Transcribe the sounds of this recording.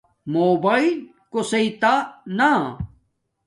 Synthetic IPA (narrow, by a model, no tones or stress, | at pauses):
moːbail | kosɐit̪ana